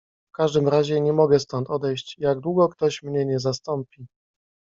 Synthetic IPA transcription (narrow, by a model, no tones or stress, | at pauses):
fkaʐd̪ɘmɾaʑɛɲɛmɔɡɛst̪ɔnt̪ɔd̪ɛjɕt͡ɕjaɡ̚d̪wuɡɔkt̪ɔɕmɲɛɲɛzast̪ɔmpʲi